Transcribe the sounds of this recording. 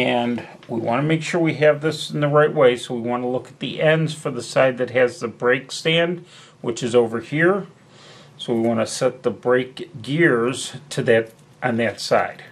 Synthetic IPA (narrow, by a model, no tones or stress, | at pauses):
ɨ̃n | wḭwɑ̰̃ñəmeɪkʃʊɹwiɨvðɪsn̩ðəɹaɪʔ̚weɪsoʊwiwɑ̃nəlʊkə̥t̪̚ðḭʔɛ̃ndz̥fə˞ðəsaɪd̪̚ðɨt̚ɦɨzðəbɹeɪkstæ̃nd | wɨt͡ʃɨzoʊvə˞hiɹ | soʊwiwɑ̃nɨsɛt̪̚ðəbɹeɪkɡɪɹz̥tʰɨðɨɾ | ʔn̩ðɨtsa̰ɪd̥